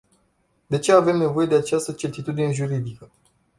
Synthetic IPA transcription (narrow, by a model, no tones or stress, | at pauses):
d̪e̞t͡ʃe̞ave̞mne̞vo̞je̞d̪eat͡ʃast̪ət͡ʃe̞rt̪it̪ud̪ine̞ʒuɾid̪ikə